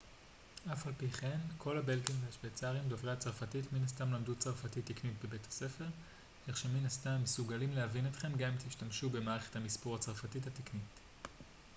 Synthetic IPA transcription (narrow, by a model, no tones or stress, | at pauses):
ʔafalpiχe̞mkʰo̞labe̞lkimveaʃvet͡saʁimdovʁehat͡saʁfatitminastamlamdut͡saʁfatitːiknitbebe̞thḁse̞fe̞ʁ | eχʃeminastamːesuɡalimlehavinet̪χe̞mɡamimt̪iʃtamʃube̞maːʁe̞χe̞̥thamispoʁat͡saʁfatithateknit